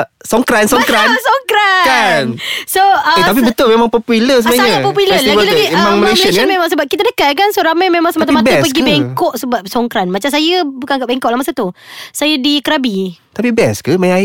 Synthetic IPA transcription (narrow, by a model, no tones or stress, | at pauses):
sɔŋkɾansɔŋkɾansɔŋkɾakansoəet̪ap̬ibət̪ʊlmemãŋpɔpuləsəmaɲəapɔpuuləailaɡimãŋməleʃənkmẽmaŋsəbap̚kit̪adəkaʔkansoɾamajmemaŋsəmat̪amab̪spəɡibeŋkɔʔsəbap̚sɔŋkɾanmat͡ʃamsajəbukanɡaʔbɛŋkɔʔlahmasat̪usajədikəɾabit̪apibɛ̰skəmaja